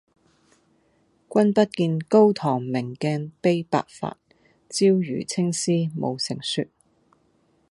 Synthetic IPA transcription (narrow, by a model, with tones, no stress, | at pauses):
kʷɐ˥npɐ˥t̚kiː˧nko˥wt̪ʰɔː˨˩ŋmɪ˨˩ŋkɛː˧npe˥jpa̰ː˧k̚fa̰ː˧t̚ | t͡siː˥wjy̰ː˨˩t͡sʰɪ˥ŋsiː˥mo̰˨˧wsɪ˨˩ŋsy˧t̚